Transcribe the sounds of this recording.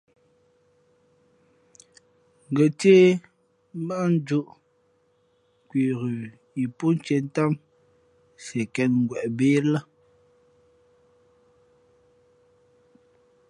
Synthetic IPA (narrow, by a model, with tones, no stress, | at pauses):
ŋ̩˨ɡə˨te˦ | m̩˦ba˦ʔn˦d͡ʒu˦ʔ | kwi˨ɣʉ˨ | i˨pu˦n˦t͡ʃe˨n˦ta˦m | sɛ˨kɛ˨n̚ŋ̩˨ɡwɛ˨ʔbeː˦la˦